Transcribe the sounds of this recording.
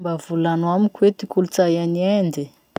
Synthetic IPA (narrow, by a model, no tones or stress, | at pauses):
mbavulanwamikwet̪ikulut͡sajaniend̪i